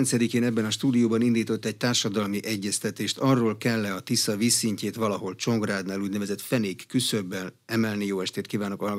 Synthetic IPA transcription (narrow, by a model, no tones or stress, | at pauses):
nt̪sɛd̪ikeːnɛbːɛnɒʃt̪uːd̪ijoːbɒnind̪iːt̪o̞t̪ːɛɟ̚t̪aːrʃɒd̪ɒlmiʔɛɟːɛst̪ɛt̪eːʃt̪ɒrːoːlkɛlːɛɒt̪isɒviːsːiɲceːt̪ʋɒlɒɦo̞lt͡ʃo̞ŋɡraːd̪naːluːɟnɛvɛzɛt̪fɛneːkːysørbɛlɛmɛlnijoːɛʃt̪eːt̪kivaːnokɒɦɒlɡ